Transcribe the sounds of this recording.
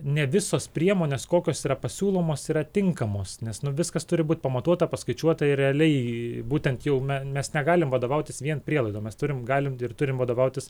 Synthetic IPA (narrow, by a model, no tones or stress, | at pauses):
nʲɛʋʲɪsoːspʲɾʲiɛmoːnʲeːskoːkʲoːsiːɾɐpɐsʲuːlˠoːmoːsiːɾɐt̪ʲɪŋkɐmoːsnʲɛsnʊʋʲɪskɐst̪ʊɾʲɪbuːt̪̚ʲpɐmɐt̪uɔt̪ɐpɐskɐɪt͡ʃʲuɔt̪ɐɪrrʲɛɐlʲɛɪbuːt̪ʲɛnt̪jɛʊmʲɛmʲɛsnʲɛɡɑːlʲɪmʋɐd̪oːʋɐʊt̪ʲɪsʋʲiɛnpʲɾʲiɛlˠɐɪd̪oːmʲɛst̪ʊɾʲɪmɡɑːlʲɪmɪrt̪ʊɾʲɪmʋɐd̪oːʋɐʊt̪ʲɪs